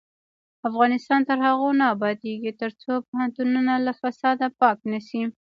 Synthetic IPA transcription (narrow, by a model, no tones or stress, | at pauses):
afɣɑnɪst̪ɑnt̪əɾhaɣonaːbɑd̪eɡit̪əɾt͡sopʊhant̪ununalafasɑd̪apɑknasi